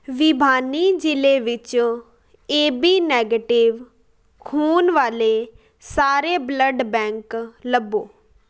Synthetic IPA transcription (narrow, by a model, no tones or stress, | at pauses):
ʋɪbʱaːniːd͡ʒɪleːʋɪt͡ʃ | eːbiːnɛːɡeːʈɪʋ | kʰuːnʋaːleː | saːɾeːbləɖbɛ̃ːŋkləboː